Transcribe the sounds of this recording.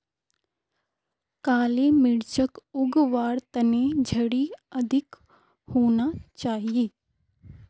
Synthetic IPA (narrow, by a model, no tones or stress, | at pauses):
kaːlemɪɽt͡ʃəkʊɡʋaːɾt̪ɐned͡ʒʱɐɽiɐd̪ʱɪk | hoːnat͡ʃaːɦijeː